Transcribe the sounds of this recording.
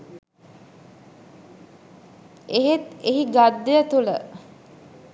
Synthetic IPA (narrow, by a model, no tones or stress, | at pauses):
eɦet̪eɦiɡad̪ːəjət̪ulə̰